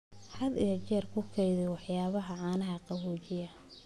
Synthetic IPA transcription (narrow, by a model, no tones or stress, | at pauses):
ħɐd̪ɪjɐt͡ʃɛrkʰʊkʰɛjðɛwɑħjaːβɐɦɐʕɑːnɐɦɐqɑwuːt͡ʃɪjɐ